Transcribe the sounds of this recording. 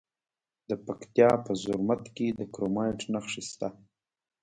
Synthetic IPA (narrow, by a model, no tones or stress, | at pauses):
d̪əpakt̪jɑpəzʊɾmat̪ked̪əkɾomɑjʈnaxʂist̪a